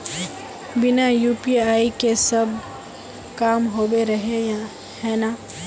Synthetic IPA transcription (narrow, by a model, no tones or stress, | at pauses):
bɪnajuːpiaːikesɐb | kaːmɦoːweɾɐɦe | hɛːna